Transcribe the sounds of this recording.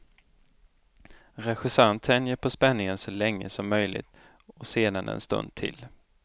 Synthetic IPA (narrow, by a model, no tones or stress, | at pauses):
ɾɛɧɪsant̪ʰɛnjəɾpʰɔspɛnːɪŋənsɔlɛŋːə̰sɔmːœjlɪ̰ɡt̪ | ɔseːd̪anɛ̰nst̪ɵ̰nd̪̚t̪ʰɪ̰l